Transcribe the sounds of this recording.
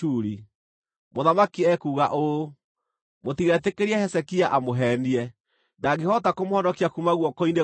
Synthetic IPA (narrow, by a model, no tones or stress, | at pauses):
uɾi | moðamakiɛkuːɣaʔo | motiɣɛtekeɾiɛhɛsɛkiaʔamoɦɛniɛ | naɣehɔtakomohɔnɔkiakumaɣwɔkɔine